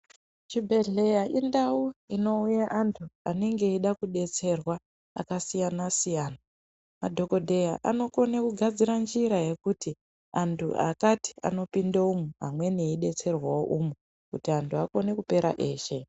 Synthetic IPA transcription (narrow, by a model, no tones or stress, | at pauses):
t͡ʃibʱe̞ɮe̞jaʔindauino̞ujaʔantʰuane̞ŋɡe̞iɗakuɗe̞t͡se̞rwa | a̰kasijanasijaːna | ma̰dʱo̞ko̞dʱe̞jaʔa̰no̞ko̞nekuɡʱad͡ziɾand͡ʒiɾaje̞kuti | antʰṵʔa̰kati̥a̰no̞pindaumuɦamwe̞neiɗe̞t͡se̞rwawo̰ʔumu | kutiantʰuako̞ne̞kupe̞ɾa̰ʔe̞ːʃe̞